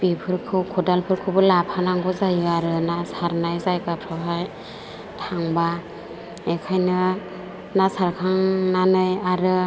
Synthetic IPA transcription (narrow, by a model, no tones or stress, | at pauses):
b̥ipʰɯɾkʰɯwkʰɔdalpʰɯɾkʰɯwbɯlapʰanaŋɡɔzajɯaɾɯnasaɾnajzajkapʰɾɯɦaj | tʰaŋba | ekʰajnɯ | nasaɾkʰaŋnanɯjaɾɯ